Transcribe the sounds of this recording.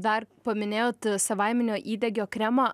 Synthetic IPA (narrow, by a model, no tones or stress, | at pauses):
d̪ɐɾpɐmʲɪnʲeːjoːt̪sɐʋɑɪmʲɛnʲoːʔiːd̪ʲɛɡʲoːkɾʲɛmɑː